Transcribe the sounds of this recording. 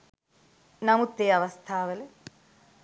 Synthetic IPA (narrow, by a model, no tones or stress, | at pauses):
nɐmut̪ːeɐʋɐst̪ʰaːʋɐle